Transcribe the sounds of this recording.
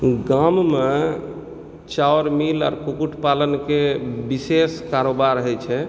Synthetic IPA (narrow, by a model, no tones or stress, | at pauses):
ɡamme | t͡ʃaoɾmila̰ːɾkukuʈʰpalənkebiseskaɾobaɾɦəjt͡ʃʰɛ